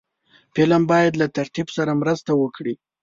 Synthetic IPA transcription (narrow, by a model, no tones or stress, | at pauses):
pelambɑjad̪lat̪aɾt̪ibsaɾamɾəst̪awəkɽi